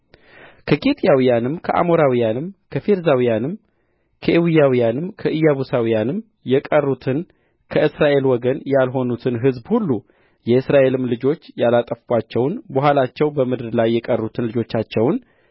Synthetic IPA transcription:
kʰəkʼet̪ʼjawijanɨmkʰəʔa̰mo̞ɾawijanɨmkʰəfe̞ɾzawijanɨm | kʰəʔewijawijanɨmkʰəʔɨjaβusawijanɨm | jɛkʼərːut̪ʰɨn | kʰəʔɨsɾaʔe̞lwɔɡənjalɦo̞nut̪ʰɨnɦɨzbhulːu | jɛɨsɾaʔe̞lɨmlɨd͡ʒo̞t͡ʃːjalat̪ʼəfbat͡ʃːɛwnbuhalat͡ʃːɛwbəmɨd̪ɨɾlajːɛkʼərːut̪ʰɨnlɨd͡ʒo̞t͡ʃːat͡ʃːɛwn

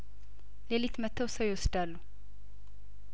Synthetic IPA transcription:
lelit̪ʰmət̪ʰːəwsəwjwosd̪alːu

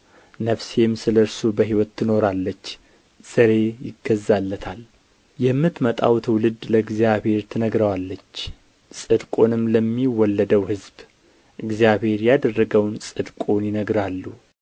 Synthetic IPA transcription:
nəfsemsɨləɾsubəɦiwɔt̪ːɨno̞ɾalːət͡ʃː | z̥əɾe̞jɪ̰ɡːəzːalːət̪ʰal | jɛmːɨt̪mət̪ʼa̰wt̪ʰwlɨd̪ləɨɡzjaβhe̞ɾt̪ʰɨnəɡɾəwalːət͡ʃː | sʼɨd̪kʼo̞nɨmləmːiwɔlːəd̪əwhɨzb | ʔɨɡzijaβhe̞ɾjad̪ərːəɡəwnsʼɨd̪kʼo̞njɪnəɡɾalːu

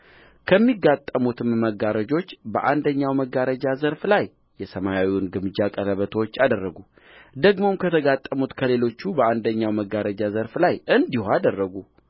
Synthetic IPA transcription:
kʰəmːiɡat̪ʼːəmut̪ʰɨmːəɡaɾəd͡ʒo̞t͡ʃːbəʔand̪əɲːawməɡaɾəd͡ʒazəɾflaj | jɛsəmajawiwnɡɨmɨd͡ʒakʼələβət̪ʰəwot͡ʃːad̪ərːəɡu | d̪əɡmo̞mkʰət̪ʰəɡat̪ʼːəmut̪kʰəle̞lo̞t͡ʃːubəand̪əɲːawməɡaɾəd͡ʒazəɾflajʔɨnd̪ihad̪ərːəɡu

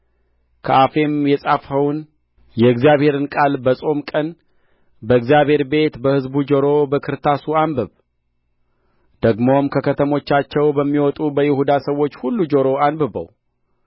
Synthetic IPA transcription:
kʰə̰ʔafe̞mjɛsʼafhəwun | jɛɨɡzjaβhe̞ɾɨnkʼalbəsʼo̞mkʼən | bəɨɡzijaβhe̞ɾbe̞t̪bəhɨzbud͡ʒoɾo̞bəkʰɨɾt̪ʰasuambəβ | d̪̥əɡmomkʰəkʰət̪ʰəmo̞t͡ʃːat͡ʃːɛwbəmːiwɔt̪ʼubəjɪhud̪asəwːo̞t͡ʃːhulːud͡ʒoɾo̞anbɨbə̰w

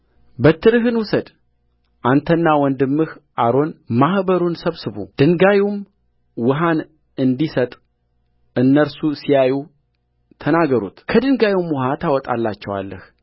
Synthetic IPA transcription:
bət̪ʰːɨɾɨɦɨnwʊsəd̪ | ʔant̪ʰənːawɔnd̪ɨmːɨhʔaɾo̞nmahbəɾunsəβsɨβṵd̪̥ɨŋɡajum | wɨɦan | ɨnd̪isət̪ʼ | ʔɨnːəɾsusijaju | t̪ʰənaɡəɾṵt̪kʰəd̪ɨŋɡajumwʊɦat̪ʰawɔt̪ʼalːat͡ʃːɛwa̰lːəh

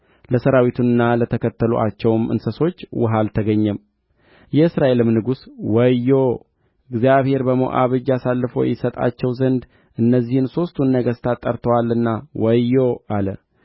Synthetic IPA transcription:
ləsəɾawit̪ʰunɨnːalət̪ʰəkʰət̪ʰːəlṵʔat͡ʃːɛwmʔɨ̰nsəso̞t͡ʃːwʊɦalt̪ʰəɡəɲːɛm | jɛɨsɾaʔe̞lɨmnɨɡuswəjːo | ɨɡzijaβhe̞ɾbəmo̰ʔa̰βɨd͡ʒasalːɨfo̞̰jɪsət̪ʼa̰t͡ʃːɛwzənd̪ | ʔɨnːəzːihɨnso̞st̪ʰunːəɡəst̪ʰat̪ʼːəɾt̪ʰəwalɨnːawəjːoʔalə

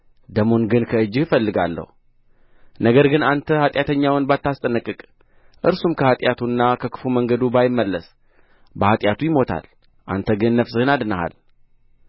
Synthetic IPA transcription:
d̪əmo̞nɡɨnkʰəɨd͡ʒːɪhfəlːɨɡalːə̰hu | nəɡəɾɡɨnant̪ʰəhat̪ʼjat̪ʰəɲːawɨnbat̪ːast̪ʼənɨkʼːɨkʼ | ʔɨɾsumkʰəhat̪ʼjat̪ʰunːakʰəkʰɨ̥fuməŋɡəd̪ubajɪmːəlːəs | bəhat̪ʼjat̪ʰujɪmo̞t̪ʰa̰l | ʔa̰nt̪ʰəɡɨnːəfsɨhɨnad̪nəha̰l

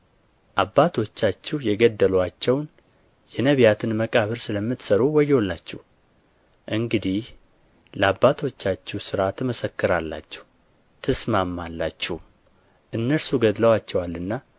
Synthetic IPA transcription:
ʔabːat̪ʰo̞t͡ʃːat͡ʃːɛwjɛɡəd̪ːəlat͡ʃːɛwn | jɛnəβjat̪ʰɨnməkʼaβɨɾsɨləmːɨt̪səɾuwɔjːɛwɔlːat͡ʃːɛ̰h | ʔɨŋɡɨd̪ih | ləabːat̪ʰo̞t͡ʃːat͡ʃːɛwsɨɾat̪ʰɨməsəkːɨɾalːa̰t͡ʃːɛ̥h | t̪ʰɨsmamːalːa̰t͡ʃːɛhum | ʔɨnːəɾsuɡəd̪ləwat͡ʃːɛwalːɨnːa

